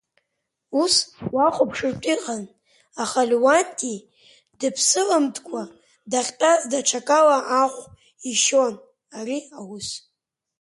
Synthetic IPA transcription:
uswaχʷʊpʰʂɨrtʼiqʼan | aχalwantʼi | dɨpʰsɨlamtʰʼkʷʰʼa | daχʲtʼazdaʈ͡ʂʰakʼalaʔaχʷʼ | iʃon | ariawus

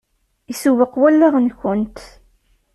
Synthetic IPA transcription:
isuwəqːwælːæʁənçʊnt̪

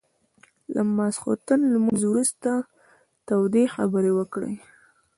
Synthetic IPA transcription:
lamɑsxo̰t̪ənlmuzwɾust̪a | t̪awd̪exa̰bəɾewəkɽḛ

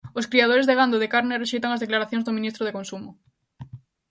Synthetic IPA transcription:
oskɾiað̞oɾezðeɣand̪oðekaɾnereʃejt̪aŋazðeklaɾaθjõŋzðominist̪ɾoð̞ekõnsumʊ

